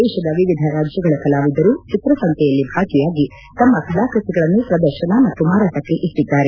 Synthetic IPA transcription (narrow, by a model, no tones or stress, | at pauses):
ɛːʃɐd̪ɐʋiʋid̪ʱɐɾaːd͡ʒjɐɡɐɭɐkɐlaːʋid̪ɐɾuːt͡ʃit̪ɾɐsɐŋt̪ʰɛjɐlːibʱaːkijaːɡi | t̪ɐmːɐkʰɐlaːkɾut̪iɡɐɭɐnːupɾɐd̪ɐɾʃɐnɐmɐt̪ːumaːɾaːʈ̪ɐkːe̞ʔiʈːid̪ːaːɾe